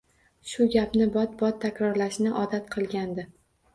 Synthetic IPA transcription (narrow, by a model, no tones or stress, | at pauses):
ʃʊɡʲapnɪbɒt̪̚bɒt̪ʰːakʲɾɒɾlaʃnɪʔɒd̪at̪qʰɨlˠɡʲand̪ɪ